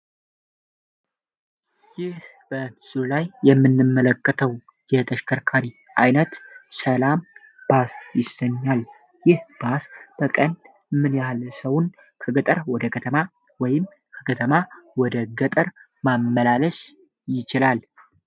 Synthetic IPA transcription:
jɪh | b̥əsɨɾulajːɛmːɨnːɨmːələkːət̪ʰəw | jɛt̪ʰəʃkʰəɾkʰaɾi | ʔajnət̪səlam | b̥asjɪsəɲːal | jɪhb̥asb̥əkʼən | mɨnjalsəwun | kʰəɡət̪ʼəɾwɔd̪əkʰət̪ʰəma | wɔjɪm | kʰəkʰət̪ʰəmawɔd̪əɡət̪ʼəɾ | mamːəlaləʃ | jɪt͡ʃɪlal

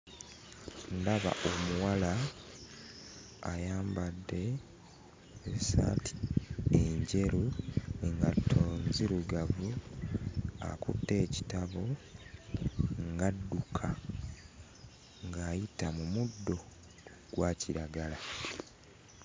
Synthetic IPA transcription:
ndaβa̰ʔomuwala | jaːmbadːe̞ | eβisa̰tʰi̥eɲɟe̞ɾuneŋɡatʰːo̞ːnziɾuɡavu | a̰kutːe̞ːci̥taβo | ŋɡadːukʰa | ŋɡaːjitamumudːo̞ | ɡ̥waciɾaɡala

